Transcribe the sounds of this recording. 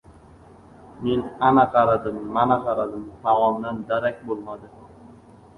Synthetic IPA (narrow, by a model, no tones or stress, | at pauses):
menanaqɑɾad̪ɨmːanaqɑɾad̪ɨmt̪awɒmd̪and̪aɾak̚ʲbolˠmad̪ɪ